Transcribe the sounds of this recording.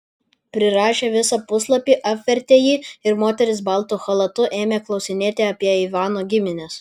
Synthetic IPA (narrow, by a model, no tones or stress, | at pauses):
pʲɾʲɪɾɑːʃʲeːʋʲɪsɐpʊslˠɐpʲiːʔɐpʲʋʲɛɾʲt̪ʲeːjiːɪɾmoːt̪ʲɛɾʲɪs̬bɐlˠt̪uːxɐlˠɐt̪ʊʔeːmʲeːklˠɒʊsʲɪnʲeːt̪ʲeɐpʲiɛiʋɑːnoːɡʲɪmʲɪnʲɛs